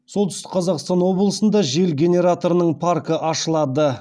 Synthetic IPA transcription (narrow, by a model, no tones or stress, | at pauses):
so̞lˠt̪ʰʏst̪ɪ̥qqʰɑzɑqst̪ɑnwo̞blˠəsənd̪ɑʒe̞lɡʲe̞nʲe̞ɾat̪o̞ɾənəɴpʰarkəʔɑʃəlˠɑd̪ə